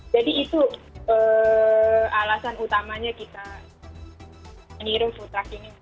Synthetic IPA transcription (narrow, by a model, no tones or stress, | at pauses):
d͡ʒadiːt̪uə | alasanut̪amaɲakit̪a | məniɾɪŋfut̪ɾakini